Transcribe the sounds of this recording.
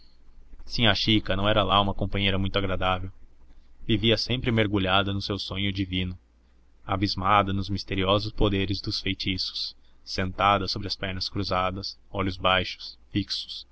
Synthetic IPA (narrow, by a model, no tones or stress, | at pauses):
sĩɐʃikɐnɐ̃w̃ɛɾɐlaũmɐkõmpɐ̃ɲejɾɐmũj̃t̪ʊaɡɾad̪avew | viviɐsẽmpɾɪmeɾɡuʎad̪ɐnʊsewsõɲʊd͡ʒivĩnʊ | abizmad̪ɐnʊzmist̪eɾiɔzʊspod̪eɾɪzd̪ʊsfejt͡ʃisʊ̥sː | ẽnt̪ad̪ɐsobɾɪɐspɛɾnɐskɾuzad̪ɐsɔʎʊzbajʃʊ̥sfiksʊ̥s